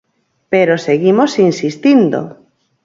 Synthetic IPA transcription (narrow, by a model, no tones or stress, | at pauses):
peɾoseɣimosinsist̪ind̪o̰